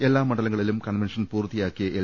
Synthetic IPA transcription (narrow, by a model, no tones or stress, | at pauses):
e̞lːaːmːɐɽɐlɐŋːɐɭilumkɐɳʋenʂɐnpuːrt̪ːijaːkːijɐʔe